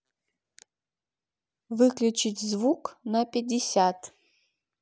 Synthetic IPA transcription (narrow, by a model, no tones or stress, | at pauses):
vɨklʲut͡ʃitʲzvuknɐpʲɪdʲɪsʲat̪ʰ